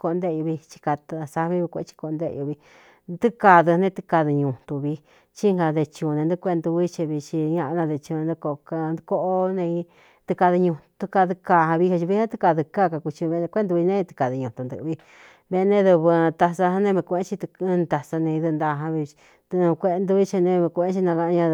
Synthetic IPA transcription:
ko˧nd̪e˦˧u˧βi˧t͡ʃi̥˧ka˧t̪sa˧βi˦βi˧kʷḛ˧˦t͡ʃi̥˧ko˧nd̪ḛ˦˧ju˧βi˧ | d̪u˦ka˧ðɨ˧nẽ˦t̪ɨ̥˧ka˧ðɨ˧ɲũ˧˨t̪u˧βi˧ | t͡ʃi˦ŋɡa˧ðe˧t͡ʃũ˧nẽ˧nd̪u˦˧kʷe˦˧nd̪u˧βi˦t͡ʃi˧βi˧t͡ʃi˧ɲã˧ʔnã˧ðe˧t͡ʃu˧ẽ˧nd̪u˧ko˧ka˧nd̪ko˦ʔo˦nẽ˧i˧ | t̪ɨ˧ka˧ðɨ˧ɲũ˧t̪u˧ka˧ðɨ˧ka˧hã˧βi˧ha˧t͡ʃi˧βi˧˦nẽ˦t̪ɨ˧ka˧ðɨ˧ka˦˨ka˧ku˧t͡ʃi˧βẽ˧kʷe˦nd̪u˧βi˧nẽ˦˧t̪i̥˧ka˨ðɨ˧ɲũ˧˨t̪u˧nd̪ɨ̰˧βi˧ | βe˧nẽ˦ðu˧βɨ˧t̪a˧sa˧hã˧nẽ˦˧βẽ˧kʷe˧ẽ˦t͡ʃi˧t̪t̪a˧sa˧nẽ˧ðɨ˧nd̪a˧ɦã˧βi˧ | d̪̃kʷe˧nd̪u˧βi˦t͡ʃi˧nẽ˧βẽ˧kʷẽ˦t͡ʃi˧nã˧a˧ɲã˧

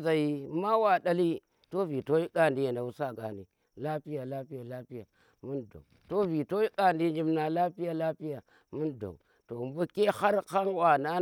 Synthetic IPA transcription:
za˨ji˦ma˦wa˨da˦li˦ | to˦vi˨to˦i˦ka˦˨ndi˦ja˨nda˨u˦sa˦ɡa̰˨ni˨ | la˦pi˦ja˨la˦pi˦ja˨la˦pi˦ja˨ | mu˦ndo̰˨u˨to˦vi˨to˦i˦ka˦˨ndi˦d͡ʒi˦mna˨la˦pi˦ja˦la˦pi˦ja˨ | mu˦ndo̰˨u˨ | to˨mbo˦ke˦ha˦ɾka˦ŋwa˨na˦

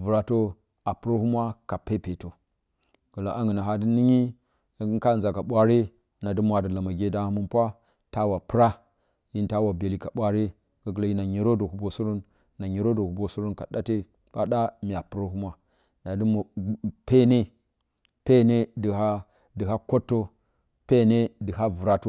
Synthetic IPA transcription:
vu˨ɾa˨to˦ | a˨pu˨ɾo˦hu˦mʷa˦ka˨pe˦pe˨to˨ | ɡ̥ə˨la˨ʔa˦ŋɡə˨na˨ɦa˦di˦ni˦ɲi˦˨ | ɡŋ˦ka˦˨n˨za˨ka˨ɓʷa˦ɾe˦ | na˨di˦mʷ˨a˨də˨la˨ma˨ɡe˦da˦hmu˦npʷa˦ | ta˦wa˨pɨ˦ɾa˦ | ji˦nta˦wa˨be˨li˨ka˨ɓʷa˦ɾe˦ | ɡə˨ɡə˨lo˨ji˦na˨ɲi˨ɾo˦do˨hu˨bo˨su˦ɾo˦n | na˨ɲe˨ɾo˦do˨hu˨bo˨su˦ɾo˦nka˨ɗa˦te˦ | ɓa˦ɗa˦mi˨a˨pu˦ɾo˦hu˦mʷa˦ | na˨dɨ˦mo˨pe˦ne˦ | pe˦ne˦də˨ɦa˦ | dɨ˨ɦa˦ko˦tːo˦ | pe˦ne˦dɨ˨ɦa˦vu˨ɾa˨to˦

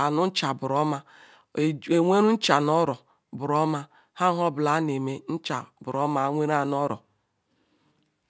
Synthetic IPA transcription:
a˨nʊ˦n̩˦t͡ʃa˨bʊ˨ɾɔ˦ma˦˨ | e˨ŋʷe˦ɾu˦n̩˦t͡ʃa˨nɔ˦ɾɔ˨ | bʊ˨ɾɔ˦ma˦ | ha˦ɦɔ˦bʊ˨la˦n˨e˨me˦n̩˦t͡ʃa˨bʊ˨ɾɔ˦ma˦ŋʷe˦ɾa˦n˦ɔ˦ɾɔ̰˨

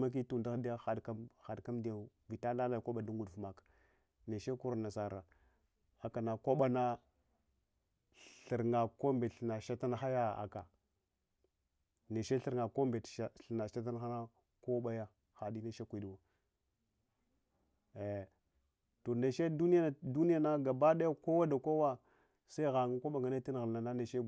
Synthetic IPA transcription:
ma˦k̬i˦tu˨n˨da˦xdi˦ja˦xa˨dka˦xa˨dka˦mdi˨a˨ | vi˨ta˦la˦la˦˨ko˦ɓa˨du˦ŋɡu˨dfma˨k | ne˨ʃe˦ku˦ɾa˨na˨sa˨ɾa˨ | a˨ka˨na˨ko˦ɓa˦na˦ | ɬə˨ɾŋa˨ko˦mbe˨ɬna˨ʃa˦ta˦n˦xa˦ja˦a̰˨ka˨ | ne˨ʃe˦ɬi˦ɾŋa˨ko˦mbe˨tɬna˨ʃa˦ta˦n˦xa˦na˦ | ko˦ɓa˦ja˦ | xa˨di˦ne˦ʃe˦kʷi˨dwa˨ | to˨ne˨ʃe˦du˦ni˦ja˦˨du˦ni˦ja˦na˦ɡa˨ba˦da˦ja˦ko˦wa˦da˨ko˦wa˦ | sa˦i˦ɣa˨ŋa˦kʷo˦ɓa˨ɡa˨na˦ti˦n˨ɣə˨lna˨na˦ne˨ʃe˦

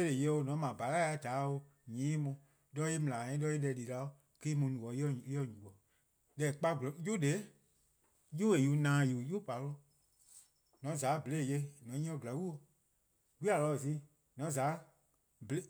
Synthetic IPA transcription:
e˦le˨je˧˦o˧nɔ̃˨˦mã˨ba˨˦ɣa˦a˨˧˦taː˨˦o˧ | ɲĩː˨˦mũ˧ | lɔ˦i˦mĩ˨lã˨ɛ̃˨˦lɔ˦i˦lɛ˧˨˧li˨la˨˧˦o˦ | kiː˦mũ˧˦nũ˨ɔ˨˦˨ɔ˧˨ɲũ˨ɔ˨ | lɛ˧˨k͡pa˧ɡlju˦de˨˦ | ju˦e˨ju˨˦nãː˨˦juː˨ju˦pa˨˦lo˧˦ | nɔ̃˨˦zaː˨˦be˨le˦˨je˧˦nɔ̃˨˦ɲĩ˦ɔ̃˧˨ba˨˦wi˦o˧ | wi˦a˨lɔ˧˨si˦ | nɔ̃˨˦zaː˨˦ | be˦

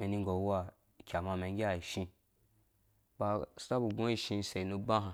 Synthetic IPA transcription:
me˨ni˧ŋɡo˨˦wa˦˨ | kʲa˨ma˧me˨ŋɡʲa˨i˨ʃĩ˧ | ba˧sta˦bu˨ɡõ˦i˦ʃĩ˧˦se˨i˨nu˧bã˦ɦã˨

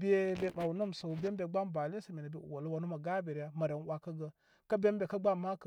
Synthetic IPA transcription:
bi˦e˦be˦ma˨wu˨no˦˨msa˨wu˨be˦m˦be˨ɡ͡ba˦mba˨lsa˨me˨na˨bḛ˦˨wa˨lə˦wa˨nu˦ma˨ɡa˦be˨ɾja˦ma˨ɾe˨˦n˦wʷa˦ka˦ɡə˦ | ka˦be˦m˦bʲe˨ka˦ɡ͡ba˦˨mːa˦k

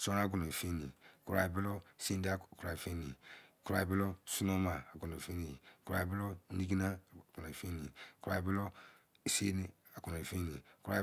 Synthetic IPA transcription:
so˦na˦ɡu˨no˨i˨fe˦ni˨ku˨ɾa˨i˨bi˦lo˦˨si˦n˦da˦ku˨ɾa˨i˨fe˦ni˨ku˨ɾa˨i˨bi˦lo˦su˦no˦maː˨ɡu˨no˨i˨fe˦ni˨jku˨ɾa˨i˨bi˦lo˦ni˦ɡi˦na˦˨ɡu˨na˨i˨fe˦nḭ˨ku˨ɾa˨i˨bi˦lo˦ | i˨se˦ni˦ | a˨ɡu˨na˨i˨fe˦ni˨ku˦ɾa˨

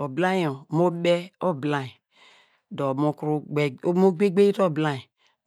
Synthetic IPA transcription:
o˨bla˦ĩ˦˨o˨mo˦ɓɛ˦o˦bla˦˨i˨ | do˨mo˦kɾu˦˨˦mo˦ɡ͡be˦ɡ͡be˦i˦ɾo˦˨bla˦˨i˨

